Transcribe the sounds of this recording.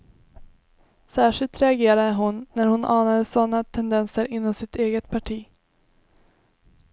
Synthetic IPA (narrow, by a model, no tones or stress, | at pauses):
sæːʂɪlt̪ɾɛaɡeːɾad̪əɦʊnːæɾhʊnʔɑːnad̪əsɔnːat̪ʰɛnd̪ɛnsəɾɪnːɔmsɪt̪eːɡət̪̚pʰaʈʰiː